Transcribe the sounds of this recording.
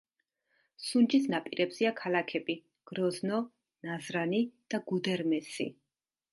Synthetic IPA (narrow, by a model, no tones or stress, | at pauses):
sund͡ʒisnapʼiɾʔɛbz̥iakʰalakʰɛbi | ɡ̥ɾɔznɔ | nazɾanid̪̥aɡ̥ud̪ɛɾmɛsḭ